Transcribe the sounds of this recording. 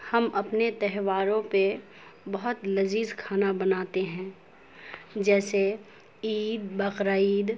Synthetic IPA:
hɐmɐpnet̪ɛɦʋaːɾõpe | bɐɦʊt̪lɐziːzkʰaːnabɐnaːt̪eɦɛ̃ː | d͡ʒɛːse | iːd̪bɐqɾaiːd̪

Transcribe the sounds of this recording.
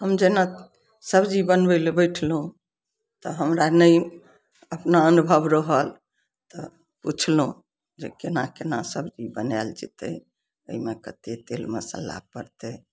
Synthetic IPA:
ɦəmd͡ʒena | səbd͡ʒibənbəlbəɪʈʰlɦũ | t̪ɔɦəmɾanəj | əpnaənubʱəbɾəɦəl | t̪ɔ | put͡ʃʰlɦũ | d͡ʒekenakenasəbd͡ʒibənɛld͡ʒḭt̪ɛ̰ | ə̰imekət̪et̪elməsə̰la̰pəɾt̪e

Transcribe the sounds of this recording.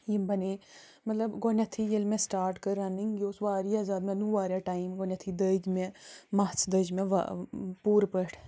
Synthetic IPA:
jimbɐne | mɐt̪lɐbɡonʲɐt̪ʰijelmẽsʈaːɾʈkəɾaniŋɡʲoːsʋaːɾiaːzaːd̪mẽnuʋaːɾʲjaʈaːimɡonʲɐt̪ʰid̪əd͡ʒmẽmɐt͡sʰd̪əd͡ʒmẽʋ̰puːɾpəʈʰ

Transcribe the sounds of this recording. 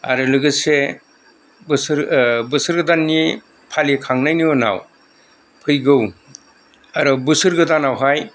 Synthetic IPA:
a̰ɾɯlɯɡɯse | bɯsɾbɯsɯɾɡɯdanːi | pʰalikʰaŋnajniɔna̰w | pʰɯjɡɯw | aɾɔbɯsɯɾɡɯdanawɦaj

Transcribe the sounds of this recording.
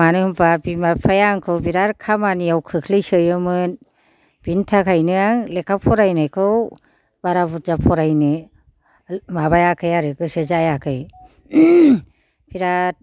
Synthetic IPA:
anɯmbabimapʰajaŋkʰɯwbiɾaɾkʰamaniawkʰɯkʰlɯjsɯjɯmɯn | bintʰakʰajnɯaŋlekʰapʰɔɾajnajkʰɯw | baɾabuzapʰɔɾajnɯ | mabajakʰɯjaɾɯkɯsɯzajakʰɯj | b̥iɾaɾ

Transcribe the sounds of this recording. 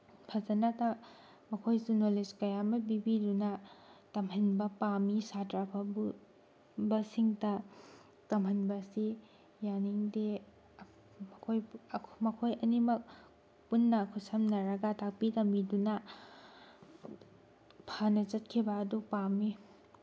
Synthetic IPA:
pʰazɐnata | mɐkʰojsunoled͡ʒkɐjamɐbibidunɐtɐmɦɐnbɐpamisatɾapʰabu | bɐsiŋtɐ | tɐmhɐnbɐsi | janiŋde | kʰojʰmɐkʰojɐnimɐk̚ | punːɐkʰusɐmnɐɾɐɡɐtak̚pitɐmidunɐ | pʰanɐt͡ʃɐt̚kʰibɐːdupami

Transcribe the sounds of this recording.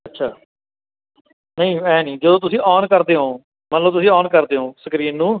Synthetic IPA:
ətːʃʰaː | nəĩːɛːnĩːd͡ʒəd̪õːt̪̬ʊsĩːʔɔːnkəɾd̪eːɦõː | mət̪ləbt̪ʊsĩːɔːnkəɾd̪eːɦõːsəkɾiːnːũː

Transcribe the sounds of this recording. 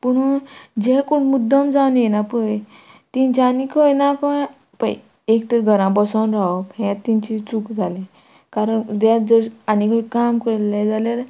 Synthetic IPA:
puɳɔd͡ʑɛkuɳmud̪ːəmd͡zawnjenapəj | t̪ĩɲt͡ɕanikʰəjnakɔ | pa̰j | ekt̪əɾɡʱəɾãbɔsɔnɾaɔpɦẽt̪ːĩɲt͡ɕit͡sukd͡zʱalĩ | kaɾəɳd̪ad͡zəɾanikʰəjkamkəɾlad͡zaljaɾ

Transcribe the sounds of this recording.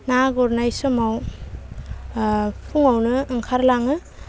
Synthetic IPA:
naɡɔɾnajsɔmaw | pʰuŋawnɯːŋkʰaɾlaŋɯ

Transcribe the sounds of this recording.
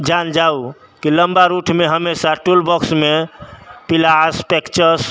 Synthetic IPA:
d͡ʒand͡ʒau | kiləmbaɾuʈʰmeɦəmesaʈulbɔksmepilaspekt͡ʃəɾs

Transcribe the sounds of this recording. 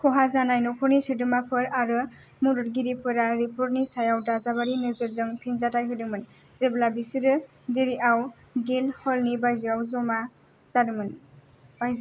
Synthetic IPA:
kʰɔɦazanajnɔkʰɔɾnisɯdɯmapʰɯɾaɾɯ | muɾuɾɡiɾipʰɯɾaɾipʰɔɾnisajawdazabaɾinɯzɯɾzɯŋpʰinzatʰajɦɯjdɯmɯn | zeblabisiɾɯ | diɾiaw | ɡinhɔlnibajzɯawzɔma | zadɯmɯn | bajz

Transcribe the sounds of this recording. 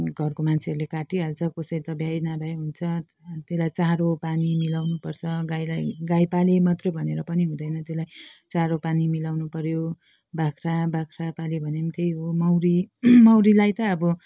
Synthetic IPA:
ɡʱʌrkomant͡sʰeʌɾulekaʈiɦalt͡sʰʌkosʌjt̪ʌbjajnabʱajɦunt͡sʰʌ | t̪elajt͡saɾopanimilawnupʌrt͡sʰʌɡajlajɡajpalemʌt̪rʌbʱʌneɾʌpʌniɦũd̪ʌjnʌt̪elajt͡saɾopanimilawnupʌɾjo | bakʰrabakʰrapalibʱʌnemt̪ʰejɦomʌwɾimʌwɾilajt̪ʌːbʌ

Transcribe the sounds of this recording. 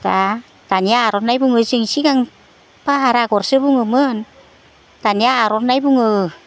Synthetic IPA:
t̪a | t̪anaɾɔt̪̚najbuŋɯsiŋsikaŋ | paɦaɾakɔrsɯbuŋɯmən | t̪aniaɾɔt̪̚najbuŋɯ

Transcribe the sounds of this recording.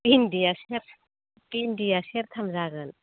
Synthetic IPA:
pindiaseɾ | pindijaseɾt̪ʰɐmzaɡɯn

